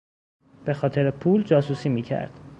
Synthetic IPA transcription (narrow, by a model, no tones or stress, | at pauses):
b̥e̞xɒːt̪ʰe̞ɾepʰuːld͡ʒɒːsuːsiːmiːcʰæ̰ɾd̪̥